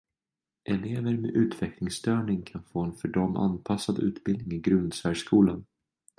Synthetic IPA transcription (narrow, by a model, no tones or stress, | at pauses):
ʔɛleːvəɾmḛʔʉ̟ːt̪vɛklɪŋst̪œːɳɪŋkʰanfoːɛnfœɖɔmʔa̰npʰasːad̪ʉ̟̰ːt̪bɪld̪nɪŋɪɡɾɵnd̪sæːʂkuːlan